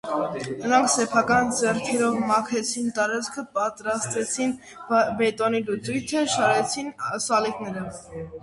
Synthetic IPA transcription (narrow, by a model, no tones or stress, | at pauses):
nəɾɑŋkʰsɛpʰɑkɑnd͡zɛɾt̪ʰɛɾɔvmɑkʰɛt͡sʰint̪ɑɾɑt͡sʰkʰəpɑt̪ɾɑst̪vɛt͡sʰin | bɛt̪ɔnilut͡sujt̪ʰəʃɑɾɛt͡sʰinsɑliknɛɾə